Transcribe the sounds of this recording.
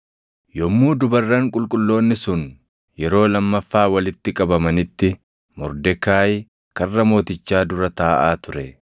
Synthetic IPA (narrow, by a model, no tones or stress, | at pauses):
jɔmːuːd̪ʊbɐrːɐŋkʼʊlkʼʊlːo̞ːnːɪsʊn | jɛɾo̞ːlɐmːɐfːaːwɐlɪt̪ːɪkʼɐbɐmɐnɪt̪ːɪ | mɔɾd̪ɛkaːj | kɐrːɐmo̞ːt̪ɪt͡ʃːaːd̪ʊɾɐt̪aːʔaːt̪ʊɾɛ